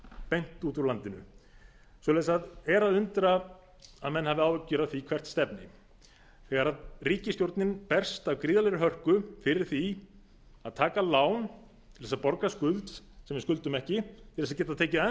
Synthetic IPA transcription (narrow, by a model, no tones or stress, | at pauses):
pejn̥t̪uːt̪ʏɾlant̪ɪnʏ̰ | svɔlɛsaðɛɾaðʏnt̪ɾaː | ðmɛnːhavɪaːwvɛcːʏɾaðθikʰvɛr̥t̪st̪ɛpnɪ | θɛɣaɾaðriːcɪsk̪jowɾt̪nɪnpɛr̥st̪awkɾiːðalɛɾɪɦœr̥kʏfɪɾɪɾ̥θi | aðt̪ʰaːkalaːwn | t̪ʰɪlvɛs̬apɔɾkaskʏlt̪sɛmvɪɾskʏlt̪ʏmɛhcɪt̪ʰɪlɛs̬cɛːt̪aðt̪ʰeːcɪa